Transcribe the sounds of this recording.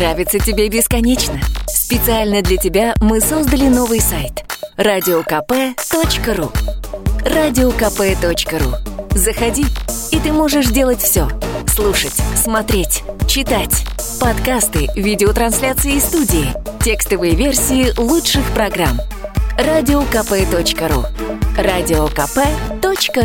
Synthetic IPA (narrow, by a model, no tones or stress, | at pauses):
ɾavʲɪt̪sətʲɪbʲebʲɪskɐnʲet͡ɕnəspʲɪt̪sɨalʲnəd̪lʲətʲɪbʲamɨso̞zd̪əlʲɪno̞vɨjsajt̪radʲɪokɐpɛt̪ot͡ɕkəɾu | radʲɪokɐpɛt̪o̞t͡ɕkəɾṵzəxɐdʲiit̪ɨmo̞ʐɨʂdʲe̞lˠətʲfsʲoslˠuʂətʲsmɐt̪ɾʲetʲt͡ɕɪt̪atʲpɐt̪kast̪ɨvʲidʲɪot̪ɾɐnsʲlʲat̪sɨɪːst̪udʲɪːtʲekst̪əvɨjəvʲe̞rsʲɪɪlˠutʂɨxpɾɐɡram | radʲɪokɐpɛt̪o̞t͡ɕkəɾṵradʲɪokɐpɛt̪ot͡ɕkə